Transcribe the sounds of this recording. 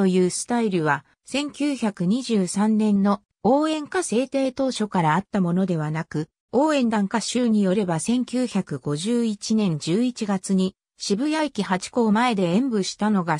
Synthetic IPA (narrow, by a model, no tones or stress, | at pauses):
o̞jɯːsɨ̥t̪aiɾɯ̟βa | sẽ̞ŋkʲɨːçakɯ̟ɲ̟iʑɨːsãnːẽ̞nːo̞ | o̞ːẽ̞ŋkase̞ːt̪e̞ːt̪o̞ːɕo̞kaɾaːt̪ːamo̞no̞d̪e̞βanakɯ̟ | o̞ːẽ̞nd̪ãŋkaɕɨːɲ̟ijo̞ɾe̞basẽ̞ŋkʲɨːçakɯ̟ɡo̞ʑɨːit͡ɕinẽ̞ɲ̟d͡ʑɨːit͡ɕiɡat͡sɨɲ̟i | ɕibɯ̟jaikʲihat͡ɕi̥ko̞ːmae̞d̪e̞ẽmbɯ̟ɕi̥t̪ano̞ɡa